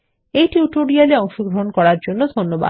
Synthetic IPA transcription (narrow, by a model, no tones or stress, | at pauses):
ejʈiuʈoɾialeɔŋʃoɡɾoɦonkɔɽaɾd͡ʑonːod̪ʱonːoba̰